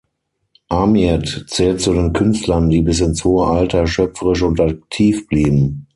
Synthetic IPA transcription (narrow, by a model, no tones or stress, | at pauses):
ʔamiɛtt͡sɛːltt͡sudeːnkʰʏnstlɐndiːbɪs̬ɪnshoːəʔaltɐʃœpfəʁɪʃʊntak̚tʰiːfb̥liːbm̩